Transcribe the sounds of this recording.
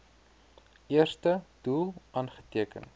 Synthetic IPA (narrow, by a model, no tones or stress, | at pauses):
ʔiərstəd̥ulˠʔɐːnχə̥tiəkə̰n